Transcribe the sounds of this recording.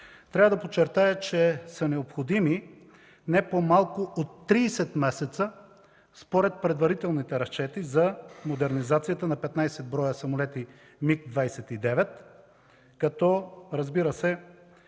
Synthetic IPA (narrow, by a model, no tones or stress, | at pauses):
t̪ɾʲavəd̪ɐpot͡ʃːɛɾt̪ajət͡ʃɛsɐnɛopxod̪imi | nɛpomalˠkʊʔot̪ːɾiːsɛt̪mɛsɛt̪sə | spoɾɛt̪̚pɾɛd̪vɐɾit̪ɛlˠnit̪ɛɾɐst͡ʃɛt̪izɐmod̪ɛɾnizat̪sijət̪ənɐpɛt̪najsɛd̪̚bɾɔjəsɐmolɛt̪i | mikd̪vajsɛt̪id̪ɛvɛt̪ | kɐt̪ɔɾɐzbiɾəsɛ